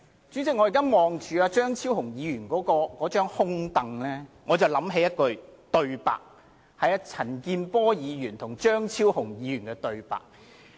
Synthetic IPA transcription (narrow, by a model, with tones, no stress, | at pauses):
t͡ʃyː˨˥t͡sɪ˨k̚ŋɔː˨˧iː˨˩kaː˥mɔː˨ŋt͡ʃyː˨aː˧t͡ʃœː˥ŋt͡sʰiː˥whʊ˨˩ŋjiː˨˧jyː˨˩nkɔː˨˥kɔː˧kɔː˨˥t͡ʃœː˥ŋhʊ˥ŋt̪ɐ˨ŋlɛː˥ŋɔː˨˧t͡sɐ˨˩wlɐ˨˥mɦe˨˥jɐ˥t̚kɵ˧ɥt̪ɵ˨˧ɥpa̰ː˨k̚ | hɐ˨˧jɐ˧t͡sʰɐ˨˩nkiː˧npɔː˥jiː˨˧jyː˨˩nt̪ʰʊ˨˩ŋt͡ʃœː˥ŋt͡sʰiː˥whʊ˨˩ŋjiː˨˧jyː˨˩nkɛ˧t̪ɵ˧ɥpa̰ː˨˩k̚